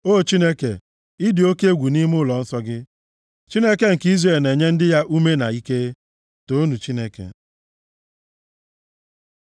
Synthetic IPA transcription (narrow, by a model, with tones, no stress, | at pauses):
o˦˨t͡ʃi˦ne˦kḛ˨ | i˦dɪ˨o˦ke˦ɡʷu˨ni˦m˦ʊ˦lɔ˨n̩˦sɔ˦ɡɪ˦ | t͡ʃi˦ne˦ke˨˦ŋ̩˨ki˦zre˨lne˨ɲe˦n̩˦dɪ˦ja˦ʔu˦me˦na̰˨i˦ke˦ | to˦nu˨t͡ʃi˦ne˦kḛ˨